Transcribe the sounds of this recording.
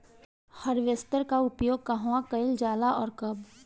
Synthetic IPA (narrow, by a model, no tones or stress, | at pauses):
hɐɾʋjəst̪əɾkaʊpjoːɡ̚kɐɦwãkɐɪld͡ʒaːlaʔɔːɾkɐb